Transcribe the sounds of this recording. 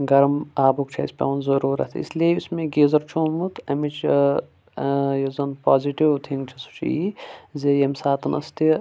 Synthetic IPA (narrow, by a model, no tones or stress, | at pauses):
ɡɐɾmaːbuk̚t͡ʃʰɐ̰ispʲa̰ːnzɐɾuːɾɐ̰t̪ʰḭslieusmẽɡeːzɐɾt͡ʃʰoːmut̪ʰɐmit͡ʃ | jozɐnpaːziʈiwt̪ʰiŋt͡ʃʰisu̥t͡ʃʰḭzejɐmsaːt̪ɐnʔɐ̰st̪i